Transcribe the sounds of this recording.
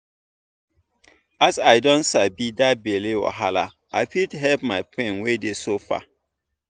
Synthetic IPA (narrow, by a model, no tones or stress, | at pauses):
asaɪdɔ̃ntsabidat̚belewɔ̰ɦala̰ | aɪpitɦɛlp̚maɪpʰẽnwedesofa̰